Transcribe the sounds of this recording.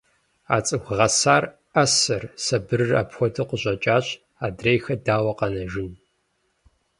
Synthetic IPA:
a̰ːt͡sʼɨɡʷʁɐsaːr | ɐsɐrsɐbɨrɨra̰ːpxʷɔtʰɨqʷʊɕʷʼɐt͡ʃʼaːɕʼ | aːdreːjxɐdaːwɐqɐnɐʒɪn

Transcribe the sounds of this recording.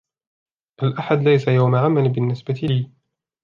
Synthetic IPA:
ʔalʔaħad̪lajsajawmaʕamalbɪnːɪsbat̪ɪliː

